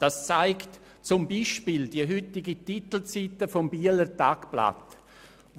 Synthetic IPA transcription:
d̥ast͡saɪkt | t͡sʊmbiʃpiːldiəɦʏtɪɡitit̪l̩t͡sitəfɔmbiələɾtakpla̰t

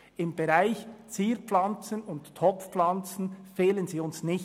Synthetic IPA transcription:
ɪmb̥eɾaɪçt͡siːpflɑnt͡sənʊnttʰːɔpfplɑnt͡sən̩feːlənziːʊnsnɪç

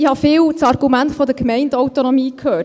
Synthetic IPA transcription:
ihɑfɪːwt͡sɑɾɡ̥umæntfɔd̪əkmɛɪndɔwt̪onɔmiːkʰhøː

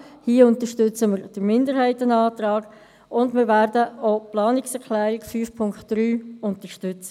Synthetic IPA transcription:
hiːəʊntəʃtʏt͡səməɾd̥əɾmɪndəɾhɛɪtənɑːt̪ɾɑːɡ̥ | ʊndmɪːɾvæːɾdəoplɑːnɪksɛɾklæːɾɪɡfyːfpʰʊŋktd̥ɾyːʊntəʃtʏt͡sə

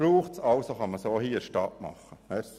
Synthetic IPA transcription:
ɾuːχtsɑlsoχɑməsoːhiːəɾʃtɑtmɑ̰χːəhɛs

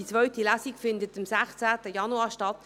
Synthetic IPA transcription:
it͡sʋœʏtilæsikfɪndətɪmsæχt͡sæːtəjɑnuaːʃtɑt

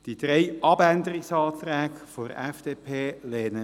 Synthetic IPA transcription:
d̥id̪̥ɾɛɪʔɑbænd̪əɾɪksɑːt̪ɾæːkfoɾɛfd̪̥eːpʰeːleːnə

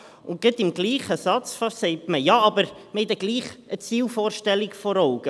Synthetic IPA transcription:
ʊn̚ɡ̥ɪtɪmɡ̥liːχəsɑt͡sfɑsɛɪtməjɑɑbəɾməhɛɪtəɡliːχʔət͡siːlfoːɾʃtɛlːikfɔɾɔʊɡ̥ə

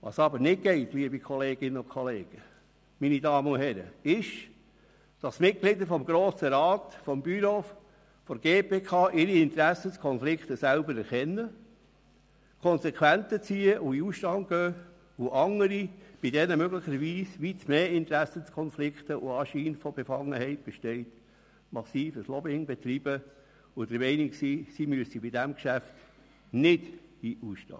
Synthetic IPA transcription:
ʋɑ̰sɑbəɾnɪt̚ɡ̥ɛɪtliəbikʰɔleːɡ̥ɪnːəʊkʰχɔleːɡ̥ə | minidɑːməʊɦɛɾə̰ɪʃ | d̥ɑsmɪt̚klɪd̪əɾfɔmɡɾoːsəɾɑːt̪fɔmb̥yɾoːf | fɔɾɡ̥eːpeːkʰɑːʔɪɾiɪnt̪ɾæsəskʰɔnflɪkt̪əsælbəɾɛɾχɛnːə | kʰɔnsɛkʰwænt̪ət͡siːəʔuiusʃtɑnt̚ɡ̥œː | uʔɑŋəɾib̥idɛnəmøɡləχəɾʋiːsʋitmeːɪnt̪ɾæsət͡skʰɔnflɪkχt̪əʔʊ̰ɑːʃiːnfɔb̥efɑŋːəhɛɪt̚b̥ɛʃtɛɪt | mɑsiːfəslɔbɪŋbet̪ɾib̥ə | ʊd̥̪əɾmɛɪniksiːsimyəsibɪdæmkʃæft | nɪd̥iʔusʃtɑ̰ː

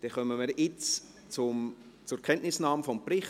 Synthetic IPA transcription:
d̥ɛχœməmɪɾɪt͡s | t͡sʊm | t͡sʊɾkʰɛnʔnɪsnɑːmfɔmprɪχ

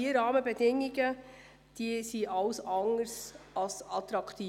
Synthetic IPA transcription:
iɾɑːməbɛdɪŋiɡə | d̥isiʔɑʊsɑŋəɾsʔɑsɑt̪ɾɑkt̪iː

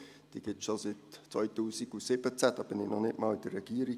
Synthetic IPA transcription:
d̥iːɡ̥ɪʃositt͡sʋɔʏtuːsiɡusɪb̥ət͡sæd̥ɑb̥ɪnɪnɔχnɪtmɑːlɪd̥ərɛɡ̥iːɾi

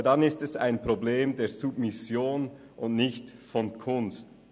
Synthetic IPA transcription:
danɪstɛsa̰ɪnpʁ̥obleːmdeːzubmɪsjoːn | ʔʊntnɪçtfɔnkʰʊnst

